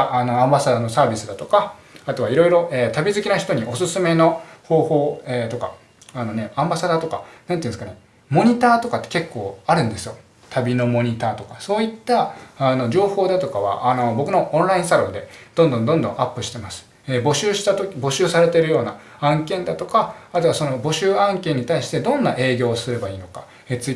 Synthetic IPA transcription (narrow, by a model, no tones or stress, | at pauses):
ano̞ãmbasad̪ano̞saːbʲisɨd̪at̪o̞kaat̪o̞βaiɾo̞iɾo̞ʔeːt̪abʲizɨkʲinaçi̥t̪o̞ɲ̟iʔo̞sɨsɨme̞no̞ho̞ːho̞ːeːt̪o̞ka | ano̞ne̞ãmbasad̪at̪o̞ka̰nãnt̪eĩsɨ̥kane̞ | mo̞ɲ̟it̪aːt̪o̞kat̪ːeke̞kːo̞ːaɾɯ̟̃nd̪e̞sɨjo̞ | t̪ʰabʲino̞mo̞ɲ̟it̪aːt̪o̞kaso̞ːit̪ːaːno̞ʑo̞ːho̞ːd̪at̪o̞kaβa̰ʔano̞bo̞kɯ̟no̞ʔõñɾaĩɰ̃saɾõ̞nd̪e̞d̪̥õnd̪õ̞nd̪õ̞nd̪õ̞ʔapːɯ̟ɕi̥t̪e̞masɨ̥ | ebo̞ɕɨːɕi̥t̪at̪okʲbo̞ɕɨːsaɾe̞t̪e̞ɾɯ̟jo̞ːna | ãŋkẽ̞nd̪at̪o̞kaat̪oβaso̞no̞bo̞ɕɨːãŋkẽ̞ɲ̟ːit̪aiɕi̥t̪e̞d̪õ̞nːaʔe̞ːɡʲo̞ːsɨɾe̞baiːno̞kḁ | et͡sɨi